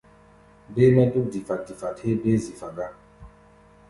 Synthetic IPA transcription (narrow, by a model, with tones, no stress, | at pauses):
be˦mɛ˦du˦k̚di˨fa˨k̚di˨fa˨the˦be˦zi˨fa˨ɡa˦